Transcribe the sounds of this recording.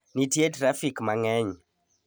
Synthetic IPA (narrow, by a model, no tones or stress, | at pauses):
nitietɾafikmaŋɛɲ